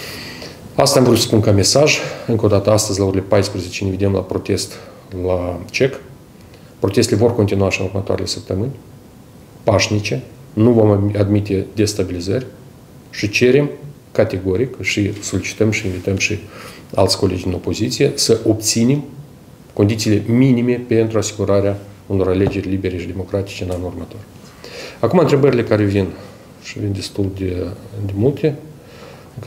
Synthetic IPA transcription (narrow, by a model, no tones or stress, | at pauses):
ast̪amvɾusə̥punkame̞saʒɨŋkod̪at̪əast̪əzʲlauɾʲelʲe̞pajspɾəze̞t͡ʃeineved̪e̞mla̰pɾo̞t̪e̞st̪ | lat͡ʃe̞k | pɾo̞t̪e̞st̪elevo̞rkont̪ʲinuaʃinurmət̪oa̰ɾʲele̞səp̚t̪əmɨnʲ | paʃnit͡ʃe̞ | nuvo̞mad̪mit̪e̞d̪e̞st̪abʲilizərʲ | ʃit͡ʃe̞ɾe̞m | kat̪ʲe̞ɡo̞ɾikʃiso̞lit͡ʃi̥t̪əmʃiinvit̪əmʃi | a̰lt̪sʲko̞led͡ʒd̪ino̞po̞zit̪sijesəʔo̞pt̪sinem | kond̪it̪siːle̞minime̞pe̞nt̪ɾuasi̥ɡuɾaɾea | uno̞ɾale̞d͡ʒe̞rʲlibe̞ɾeʃid̪e̞mo̞kɾat̪i̥t͡ʃeɨnanurmət̪o̞r | akumant̪ɾe̞bəɾʲile̞kaɾe̞vin | ʃivind̪est̪uld̪ed̪emult̪e